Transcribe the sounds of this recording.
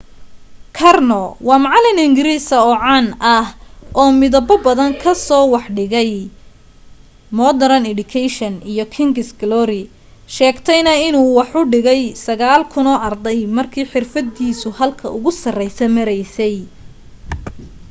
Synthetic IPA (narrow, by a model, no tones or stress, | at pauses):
kʰɐrnɔwɑːmɑʕlɪnɪŋɡɪɾiːsɐɔʕɑnɐhʔɔːmɪðɐbɔbɐðɐŋkʰɐsɔːwɑħɖɪɣɛj | mɔːd̪ɐɾɐnɛɖʊkʰɛjʃɐnijɔkʰɪŋɡɪsɡlɔɾɪ | ʃɛːɡt̪ʰɛjnɐɪnuːwɑħʊɖɪɣɛjsɐɣaːlkʰʊnɔːʔɐrd̪ɛjmɐrkʰiːħɪrfɐd̪iːsʊhɐlkʰɐ̰ʔʊɣʊsɐrɛjsɐmɐɾɛjsɛj